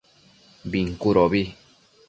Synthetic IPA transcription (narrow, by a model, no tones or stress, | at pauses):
biŋkuɾoβi